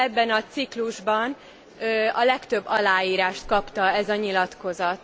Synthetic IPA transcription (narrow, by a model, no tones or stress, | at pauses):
ɛbːɛnɒt̪sikluʒbɒn | øɒlɛkt̪øbːɒlaːiːɾaːʃt̪̚kɒpt̪ɒɛzɒɲilɒt̪ko̞zɒt̪